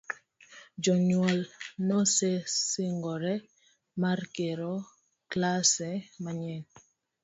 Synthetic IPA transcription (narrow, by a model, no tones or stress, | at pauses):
d͡ʒɔɲwɔlnɔsesɪŋɡɔɾɛ | markeɾɔ | klasɛmaɲɛn